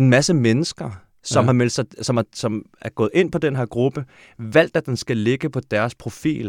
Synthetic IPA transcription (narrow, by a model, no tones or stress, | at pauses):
e̝nmæsəmenəsɡ̥ɐ | sɒ̽mɦɑ̈mel̰̥sɑ̈ɪsɒ̽mɑ̈sɒ̽m | æɐɡ̥ɔ̽ːð̞̩ˠe̝n̰pʰɒ̽d̥enɦæɐɡ̥ʁub̥ə | ʋæl̰d̥æd̥ensɡ̥æle̝ɡ̥əpʰɒ̽d̥æɐspʰʁo̝fḭːl